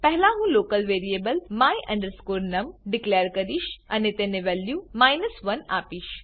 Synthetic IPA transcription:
pɛɦlãɦũːloːkəlʋeːɾieːbəlmaːiʔɐ̰̃ɳɖəɾskoːɾnɐmɖɪkleːəɾkɐɾiːʃɐnet̪ẽneʋɛljũmaːjnəsʋɐna̰ːpiːʃ

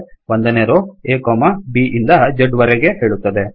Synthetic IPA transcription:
ʋond̪ɐneːɾoeːkoːmɐbiʔind̪ɐd͡ʒɐɖʋɐɾeɡe̞ɦe̞ːɭut̪ːɐd̪e

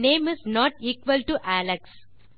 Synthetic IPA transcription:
nẽːmɪznɔːʈiːkʋəlʈuʔæləks

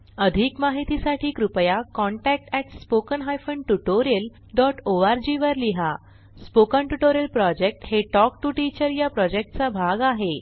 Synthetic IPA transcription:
əd̪ʱiːkmaɦit̪isaʈʰiːkɾupəjakɔɳʈæk̚ʈɛʈspokənɦajfəɳʈuʈoɾel | ɖɔʈoaɾd͡ʑiʋəɾliɦa | spokəɳʈuʈoɾelpɾɔd͡ʑek̚ʈheʈɔk̚ʈuʈit͡ɕəɾjapɾɔd͡ʑek̚ʈt͡sabʱaɡaɦe

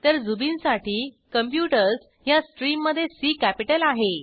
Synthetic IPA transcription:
t̪əɾd͡zubinsaʈiː | kəmpjuʈəɾs | jasʈɾimːəd̪ʱːjesiːkæpiʈəlaɦe

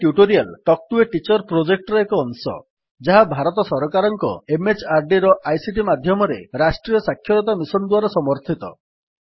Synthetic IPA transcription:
ʈjuʈoɾialʈɔk̚ʈueʈit͡ʃɔɾpɾod͡ʒek̚ʈɔɾɔekɔːnsɔ̰ | d͡ʒaɦabʱaɾɔt̪ɔsɔɾɔkaɾɔŋkɔ̰emet͡ʃaɾɖiɾɔʔajsiʈimad̪ʱjɔmɔɾḛɾasʈɾijɔsakʰːjɔɾɔt̪̬amisɔnd̪waɾɔsɔmɔɾt̪ʰit̪ɔ̰

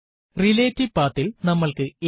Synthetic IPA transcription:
rileːtːipaːt̪ːilnɐmːɐɭkɨe

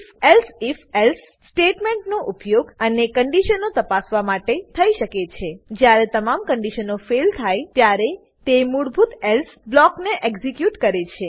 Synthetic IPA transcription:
felsifelsːʈeʈmẽɳʈnoʔupjoɡənekəɳɖiʃənot̪əpasʋamaʈet̪ʰəiʃəket͡ʃʰed͡ʒjaɾet̪əmamkəɳɖiʃənofelt̪ʰajt̪jaɾe | t̪emuɽbʱut̪elsblɔkneʔekzikjuʈkəɾet͡ʃʰe

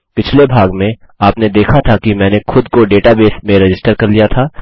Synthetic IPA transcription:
pɪt͡ʃʰlebʱaːɡmẽ | aːpned̪eːkʰat̪ʰakimɛ̃ːnexʊd̪koɖeːʈabeːsmẽɾɪd͡ʒɪsʈəɾkɐɾlijat̪ʰaː

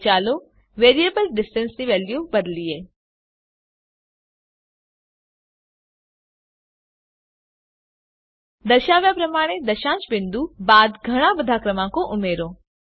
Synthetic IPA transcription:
t͡ʃaːlo | ʋeːɾijeːbəlɖɪsʈənsniʋɛːljubəd̪lieː | d̪əʃaːʋjapɾɐmaːɽ̃ed̪ɐʃãːt͡ʃbɪnd̪ubaːd̪ɡʱɐɽ̃ãbəd̪ʱakɾəmãkoʔʊmeːɾõ

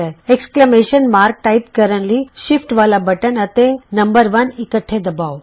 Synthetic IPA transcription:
əekskləmeʃənmaːɾk̚ʈaipkəɾə̃ɳliʃifʈʋaːlabəʈənət̪enɐmbəɾʋənikəʈʰːed̪ɐbaːʋ

